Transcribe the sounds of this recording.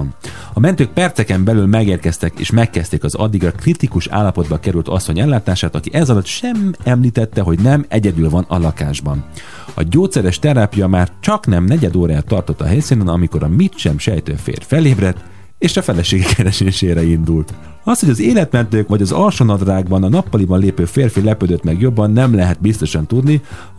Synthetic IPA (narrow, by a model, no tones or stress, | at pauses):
n | ɒmɛnt̪øːk̚pɛrt̪sɛkɛmbɛlylmɛɡeːrkɛst̪ɛkḛːʃmɛkːɛst̪eːkɒzɒ̰d̪ːiɡrɒkrit̪ikuʃa̰ːlːɒpo̞d̪bɒkɛɾylt̪ɒsːoɲɛlːaːt̪aːʃaːt̪ɒkiʔɛzɒlɒt̪ʃɛmɛmliːt̪ɛt̪ːɛɦo̞ɟnɛmɛɟɛd̪ylvɒnɒlɒkaːʒbɒn | ɒ̰ɟoːt̪sɛɾɛʃt̪ɛɾaːpijɒmaːrt͡ʃɒknɛmnɛɟɛd̪oːɾaːɛt̪ːɒrt̪o̞t̪ːɒ̰ɦɛjsinɛnɒmiko̞ɾɒmit̪ʃɛmʃɛjt̪øfḛːrfɛleːbrɛt̪ː | eːʃɒfɛlɛʃeːɡɛkːɛɾɛʃeːʃeːɾɛind̪ult̪ | ɒshoɟɒzeːlɛt̪mɛnt̪øːkʋɒɟɒzɒlʃonɒd̪raːɡbɒnɒnɒpːɒlibɒnleːpøːfeːrfilɛpød̪øt̪mɛɡjo̞bːɒnːɛmlɛɦɛt̪̚bist̪o̞ʃɒnt̪ud̪ni